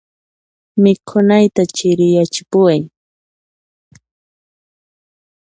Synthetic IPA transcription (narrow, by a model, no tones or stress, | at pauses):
mɪkʰʊnajt̪at͡ʃɪɾɪjat͡ʃɪ̥pʊwaj